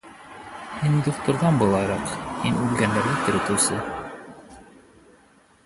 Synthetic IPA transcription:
mind̪uχt̪ŏɾðɑnbɤ̆lˠɑjɾɑqhinʉlɡænd̪æɾlɘt̪ɘ̆ɾɘ̆t̪ɘ̆wsɤ

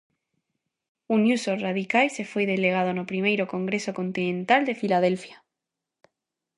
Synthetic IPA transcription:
unjusoraðikajse̞fweð̞e̞leɣ̞aðonopɾimejɾokõ̞ŋɡɾesokont̪inẽnt̪ald̪e̞filað̞elfja

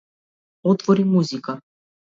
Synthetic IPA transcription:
ɔt̪vɔɾimuzika

